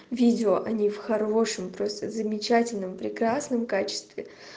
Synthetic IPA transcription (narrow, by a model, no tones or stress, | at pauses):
vʲidʲɪoʔɐnʲifxɐroʂɨmpɾo̞st̪əzəmʲɪt͡ɕatʲɪlʲnəmpɾʲɪkɾasnəmkat͡ɕɪ̥st̪vʲɪ